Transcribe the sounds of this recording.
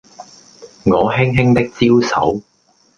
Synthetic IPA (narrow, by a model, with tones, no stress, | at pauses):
ŋɔː˨˧ɦɪ˥ŋɦɪ˥ŋt̪ɪ˥k̚t͡siː˥wsɐ̰˨˥w